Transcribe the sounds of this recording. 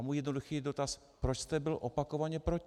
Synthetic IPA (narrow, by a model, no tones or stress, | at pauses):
muːjɛdnoduxiːdo̞t̪as | pɾot͡ʃst̪ɛbɪlʔopako̞vaɲɛpɾoc